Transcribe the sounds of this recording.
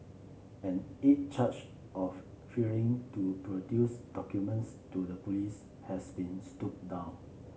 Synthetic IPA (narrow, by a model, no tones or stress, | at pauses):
ɛ̃nitt͡ʃat͡ʃ | ʔɔf | fiəɹĩŋtupʰɹodjusdɔkjumə̃ntstudəpolis | hɛsbĩnstup̚dãʊ̃n